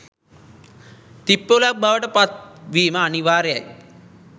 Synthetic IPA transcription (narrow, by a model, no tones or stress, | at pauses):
t̪ipːolak̚baʋəʈəpat̪̚ʋiːməaniʋaːɾeja̰j